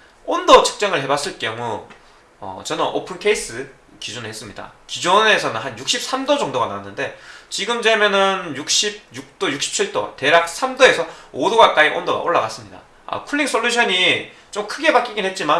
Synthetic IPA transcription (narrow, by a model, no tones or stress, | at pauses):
ondot͡ɕʰɯ̥k̚t͡ɕ͈aŋɯɭhe̞bas͈ɯɭk͈jʌŋu | ʌ̰t͡ɕʌnɯnʔo̰pʰɯnkʰe̞is͈ɯ | kid͡ʑunɯɭɦes͈ɯmɲida̰kid͡ʑone̞sʰʌnɯnɦanjuk̚ɕ͈ip̚s͈ʰamdod͡ʑʌŋdoɡanawanːɯnde̞t͡ɕiɡɯmd͡ʑemjʌnɯnjuk̚ɕ͈ib̚juk̚t͈ojuk̚ɕ͈i̥p̚t͡ɕʰiɭt͈ote̞ɾak̚sʰamdoe̞sʰʌodoɡak͈aiʔondoɡa̰ʔoɭːaɡas͈ɯmɲida̰ | a̰kʰuɭːiŋs͈ʰoʎːjuɕʰʌɲi | t͡ɕomkʰɯɡe̞bak͈iɡinɦe̞t̚t͡ɕ͈iman